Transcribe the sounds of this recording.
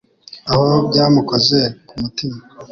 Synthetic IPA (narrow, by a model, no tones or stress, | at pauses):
ahob̚ɟaːmukoze̞kumutima